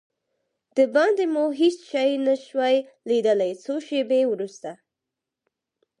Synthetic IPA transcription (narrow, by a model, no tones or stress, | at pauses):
d̪̥əbɑnd̪emoɦit͡sʃajnaʃwaj | lid̪əlajt͡soʃebewɾust̪a